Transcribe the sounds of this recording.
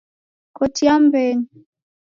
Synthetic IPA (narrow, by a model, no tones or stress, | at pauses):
kɔtiambɛɲi